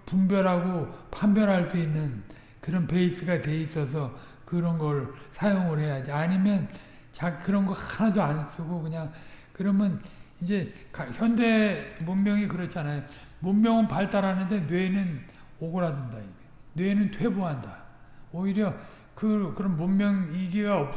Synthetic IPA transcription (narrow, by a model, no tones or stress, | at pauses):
pumbjʌɾɦaɡopʰambjʌɾɦaɭs͈uinːɯn | kɯɾʌnpe̞is͈ɯɡate̞is͈ʌs̬ʰʌ | kɯɾʌnɡʌɭsʰajoŋɯɾhe̞jad͡ʑiaɲimjʌn | t͡ɕaɡikɯɾʌnɡʌɭkʰanadoans͈ɯɡokɯɲaŋkɯɾʌmjʌnind͡ʑe̞kaçjʌnde̞mumːjʌŋikɯɾʌt͡ɕʰianajo | mummjʌŋɯnpaɭt͈aɾanɯnde̞nwe̞nɯn | oɡoɾadɯndai | nwe̞nɯntʰwe̞boɦandaoiɾjʌ | kɯkɯɾʌnmumːjʌŋiɡiɡaʌp̚